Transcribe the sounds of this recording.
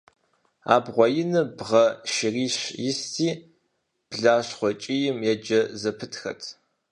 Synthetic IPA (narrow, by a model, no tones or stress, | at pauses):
a̰ːbʁʷɔjɪnɨbʁɐʃɪriːɕjɪstʰiː | b̥ɮaːɕχʷɔt͡ʃʼijɪmjɛd͡ʒɐzɐpʰɨtʰxɐ̰tʰ